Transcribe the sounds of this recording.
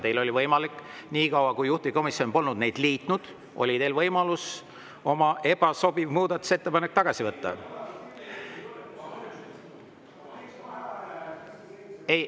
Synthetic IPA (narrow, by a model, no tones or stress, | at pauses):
t̪e̞jlo̞lʲivɤjmɑlikːniːkɑwɑkujːuht̪iiko̞misio̞npo̞lnud̪̚ne̞jd̪̥liːt̪nud̪̥ | ʔo̞̰lʲit̪e̞ːlvɤjmɑlus | o̞mɑʔe̞b̥ɑso̞bivmuːd̪̥ɑt̪ːˑu̥se̞t̪ːe̞pɑnek̚ːt̪ɑɡ̥ɑsivɤt̪ːɑ̰ | ej